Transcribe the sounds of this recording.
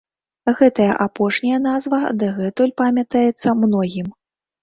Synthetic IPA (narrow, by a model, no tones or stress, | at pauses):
ɣɛt̪ɐjɐ̰ʔapɔʂnʲɐjɐnazvɐd̪ɨɣɛt̪ɔlʲpamʲɐt̪ajɛt̪sːɐmnɔɣʲim